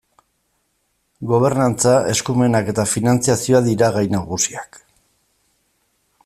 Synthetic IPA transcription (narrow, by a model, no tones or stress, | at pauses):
ɡo̞β̞e̞ɾnant͡sae̞skume̞nake̞t̪afinant͡siasioaðiɾaɣajnaɣusiak